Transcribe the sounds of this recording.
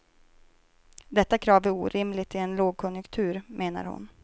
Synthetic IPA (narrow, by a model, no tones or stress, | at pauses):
d̪ɛt̪ːakʰɾɑːvæɾuːɾʔɪmlɪɡt̪ʰɪɛnloːɡ̚kʰɔnjʊkt̪ʰʉ̟ːɾmʔeːna̰ɾhʊ̰n